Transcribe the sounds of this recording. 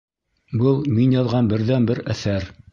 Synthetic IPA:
bɤlˠminjɑðʁɑnbɘ̆ɾðænbɘɾæθæɾ

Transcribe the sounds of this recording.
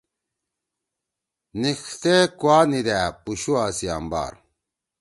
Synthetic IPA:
nixt̪ekwaːnid̪æpuɕuaːsia̰mba̰ːɾ

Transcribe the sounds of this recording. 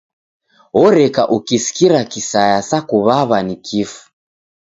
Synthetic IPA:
ɔɾɛkaʔukisi̥kiɾakisajasakuβaβanikʰifu̥

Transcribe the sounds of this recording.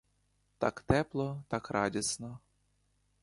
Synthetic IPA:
t̪a̰kt̪ɛplˠɔt̪ɑkrɑdʲisnɔ

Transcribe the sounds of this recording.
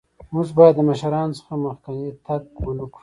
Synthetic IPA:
muʐbɑjad̪ːəmaʃaɾɑːnosə̥xaməxkanit̪ʰaɡwanuk

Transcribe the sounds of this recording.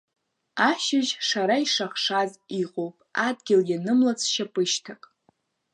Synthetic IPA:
aʃɪʒʂaɾaiʂaχʂaziqʼowpʼadɡʲɪljanɨmlat͡sʰʃapʼɨʃtʰakʼ

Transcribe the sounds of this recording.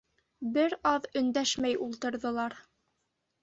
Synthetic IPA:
bɘɾɑðɵ̆nd̪æʃmæjulˠt̪ɤ̆ɾðɤ̆lˠɑɾ

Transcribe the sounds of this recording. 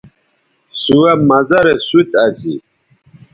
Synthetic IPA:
suwamazaɾɛsut̪ʼazi

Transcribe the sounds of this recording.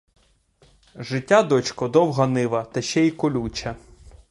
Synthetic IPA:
ʒɪtʲːad̪ɔt͡ʃkɔd̪ɔwɦɐnɪʋɐt̪ɐʃɛikɔlʲut͡ʃɐ

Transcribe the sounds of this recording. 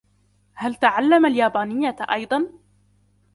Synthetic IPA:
halt̪aʕalːamaljaːbaːnɪjːaʔɑjd̪ˤɑn

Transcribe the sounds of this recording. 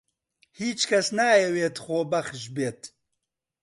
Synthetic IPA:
hiːt͡ʃkʰɐsnaːjɛweːt̪xoːbɐxʒbeːt̪

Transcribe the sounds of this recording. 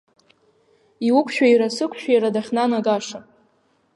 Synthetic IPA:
iwʊkʷʰʼʃᶣaiɾasɨkʷʰʼʃᶣaiɾadaχʲnanaɡʼaʂa

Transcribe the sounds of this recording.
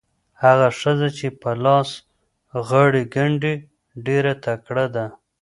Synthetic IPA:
haɣaʂəzat͡ʃepalɑs | ɣaɽiɡaɳɖe | ɖeɾat̪akɽad̪a

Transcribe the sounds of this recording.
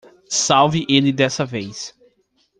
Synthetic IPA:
sawvɪʔelɪd̪ɛsɐvejs

